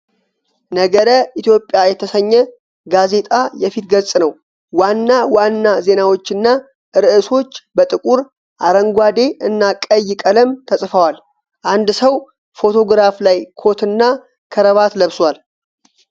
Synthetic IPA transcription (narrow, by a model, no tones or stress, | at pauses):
nəɡəɾəʔit̪jo̞pʼːjajɛt̪ʰəsəɲːɛ | ɡaze̞t̪ʼajɛfit̪ɡəsʼnəw | wanːawanːaze̞nawo̞t͡ʃːɨnːa | ɨɾɨʔɨso̞t͡ʃːbət̪ʼɨkʼuɾ | ʔaɾəŋɡʷad̪e̞ʔɨnːakʼəjːɪkʼələmt̪ʰəsʼfəwal | ʔand̪səw | fo̞t̪ʰo̞ɡɾaflajkʰo̞t̪ɨnːa | kʰəɾəβat̪ləβswal